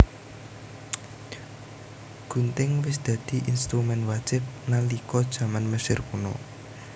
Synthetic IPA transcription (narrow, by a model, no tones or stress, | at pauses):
ɡ̥ṳnt̪ɪŋwɪsd̪̥ä̤d̪̥i̤ʔinst̪ɾumɛnwad̥ʒ̥ɪp̚nalikɔd̥ʒ̥a̤manməsɪrkunɔ̰